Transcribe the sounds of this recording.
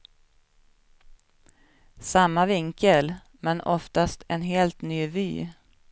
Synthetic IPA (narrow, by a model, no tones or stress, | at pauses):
samːavɪŋkəl | mɛnɔft̪ast̪ʰɛnɦeːlt̪nyːvy̰ː